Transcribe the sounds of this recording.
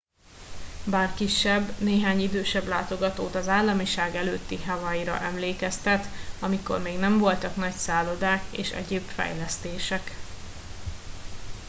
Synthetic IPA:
baːrkiʃːɛbneːɦaːɲid̪øːʃɛblaːt̪o̞ɡɒt̪oːt̪ɒzaːlːɒmiʃaːɡɛløːt̪ːiɦavɒiɾɒ̰ʔɛmleːkɛst̪ɛt̪ɒmiko̞̰rmeːɡnɛɱvo̞lt̪ɒknɒcsaːlo̞d̪aːkḛːʃɛ̰ɟeːbfɛ̰jlɛst̪eːʃɛk

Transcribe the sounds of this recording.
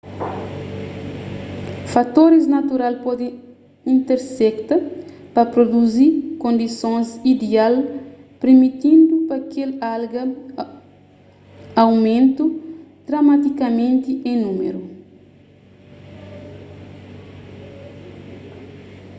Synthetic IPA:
fat̪oɾiznɐt̪uɾalpɔd̪ẽ | ĩnt̪eɾsɛkt̪ɐpɐpɾod̪uzikõnd̪isõzid̪ealpɾemit̪ĩnd̪upɐkelalɡɐ | awmẽnt̪ud̪̥ɾɐmat̪ikɐmẽnt̪iʔẽnumḛɾu

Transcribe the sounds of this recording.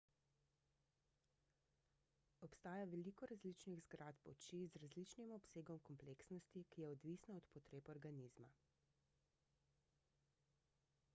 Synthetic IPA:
ɔpst̪aːjaʋɛliːkɔɾazlit͡ʃniɣzɡɾat̪pɔt͡ʃizɾazlit͡ʃnimɔpseːɡɔmkɔmpleksnɔst̪ikijɛɔd̪ʋisnaɔt̪pɔt̪ɾeːpɔɾɡanizma̰

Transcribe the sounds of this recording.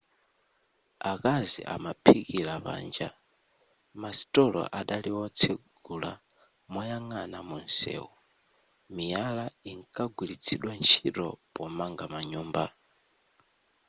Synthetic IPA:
akazḭʔa̰mapʰikiɾaβa̰ːnd͡ʒa | masi̥tʼɔlɔ̰ʔaɗaliwɔt͡sʰeɡ̥ula | mɔjaŋanamunsɛ̰ːwu | mijalaiŋkʼaɡwilit͡sʰiɗwant͡ʃʰiɾɔ̰pɔmaŋɡamaɲuːmba

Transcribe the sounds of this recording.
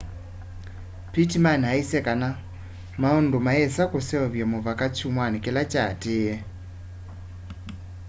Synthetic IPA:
pitimanaisɛkana | maondomaɛsakosɛɔβjamoβakat͡ʃumwanikelat͡ʃateɛ

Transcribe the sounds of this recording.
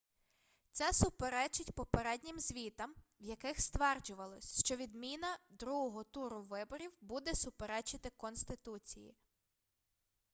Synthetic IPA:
t̪sɛsʊpeɾɛt͡ʃɪtʲpɔpeɾɛdʲnʲɪmzʲʋʲit̪ɐmwjɐkɪxst̪ʋɛrd͡ʒʊʋɐlˠɔsʲʃt͡ʃɔʋʲid̪mʲinɐd̪ɾuɦɔɦɔt̪uɾʊʋɪbɔɾʲiwbud̪ɛsʊpeɾɛt͡ʃɪt̪ɪkɔnst̪ɪt̪ut͡sʲḭjḭ

